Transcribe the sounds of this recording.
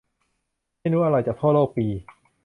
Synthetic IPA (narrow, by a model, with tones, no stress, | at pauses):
ma˥˩jɾuː˦˥ʔa˧ɾa˧jt͡ɕa˨˩p̪ʰɔː˥˩loː˥˩k̚piː˧